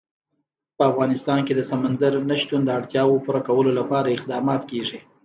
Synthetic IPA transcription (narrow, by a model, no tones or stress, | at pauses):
pəafɣɑnɪst̪ɑnked̪əsamand̪əɾnaʃt̪und̪əaɽt̪jɑwopuɾakawəlolapɑɾaɪqd̪ɑmɑt̪keʐi